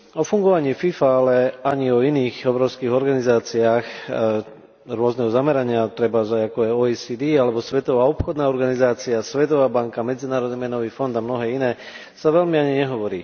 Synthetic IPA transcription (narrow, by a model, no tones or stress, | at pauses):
ɔfuŋɡɔʋaɲiːfifaalɛaɲiɔiniːɣɔbɾɔʊskiːɣɔɾɡanizaːt͡siaːx | ɾʊɔznɛɦɔzamɛɾaɲɪat̪ɾɛbazaɟakɔɛɔːisid̪ialɛbɔsʋɛt̪ɔʋaːɔpxɔd̪naːɔɾɡanizaːt͡siasʋɛt̪ɔʋaːbaŋkamɛd͡zinaːɾɔd̪̚nimɛnɔʋiːfɔnd̪amnɔɦɛːinɛː | saʋɛlmiaɲiɲɛɦɔʋɔɾḭː